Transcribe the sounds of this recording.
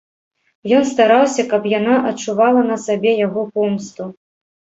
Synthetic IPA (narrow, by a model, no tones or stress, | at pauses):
jɔnst̪aɾawsʲɐkɐpjanaʔɐt͡ʂːuvalˠɐnɐsabʲɛjaɣɔpɔmst̪u